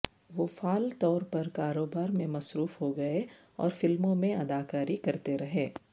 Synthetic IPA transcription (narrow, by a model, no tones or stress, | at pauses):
ʋoːfaːlt̪ɔːɾpɐɾkaːɾoːbaːɾmẽmɐsɾuːfɦoɡɐeɔ̰ːɾfɪlmõmẽɐd̪aːkaːɾikɐɾt̪eɾɐɦeː